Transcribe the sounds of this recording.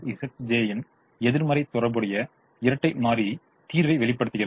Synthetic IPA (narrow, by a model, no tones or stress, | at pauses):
ɪsɐsd͡ʒeːjɪn | ɛðɪɾmɐɾɐɪt̪ːɔɾɐbɯɽɐjɐ | ɪɾɐʈːɐɪmaːɾi | t̪iːɾʋɐɪʋɛɭɪpːɐɽɯt̪ːɯɣɪɾ